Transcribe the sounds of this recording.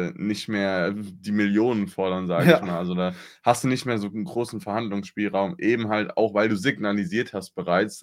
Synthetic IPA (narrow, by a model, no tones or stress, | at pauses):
nɪçtmeːɐdiːmɪljoːnənfɔɐɾɐnzaːɡɪçmaːlʔalzodaːhastd̥uːnɪçtmeːɐzoːnɡʁoːsn̩fɛɐhandlʊŋsʃpiːlʁaʊmʔeːbm̩ɦalta̰ʊxv̥aɪlduːzɪɡnaliziːɐthast̚b̥əʁaɪt͡s